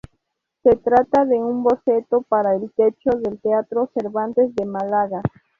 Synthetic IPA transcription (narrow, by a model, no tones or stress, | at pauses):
set̪ɾat̪aðe̞umbo̞set̪opaɾaelt̪et͡ʃo̞ðelt̪eat̪ɾo̞seɾβant̪ezðemalaɣa